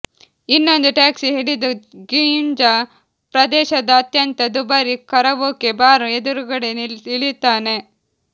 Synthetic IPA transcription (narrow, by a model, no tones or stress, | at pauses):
inːo̞nd̪uʈaːksiɦiɽid̪uɡind͡ʒɐ | pɾɐd̪ɛːʃɐd̪ɐːt̪jɐnt̪ɐd̪ubɐɾikɐɾɐʋoːkebaːɾued̪uɾuɡɐɽeniɭit̪ːaːne̞